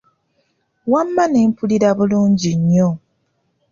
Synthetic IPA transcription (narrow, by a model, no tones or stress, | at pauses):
wamːanempuliɾaβuluːɲɟiɲːo